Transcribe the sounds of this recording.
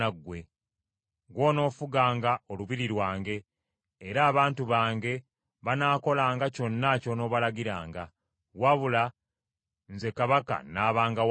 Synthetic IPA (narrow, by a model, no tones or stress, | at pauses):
aɡwe̞ | ɡwo̞ːno̞ːfuɡaːŋɡao̞luβiɾiɾwaːŋɡe̞ː | ɾaːβaːntuβaːŋɡe̞ | βanaːko̞laːŋɡaco̞nːaco̞no̞ːβalaɡiɾa̰ːŋɡa | waβula | nze̞kaβaka̰naːβaːŋɡaw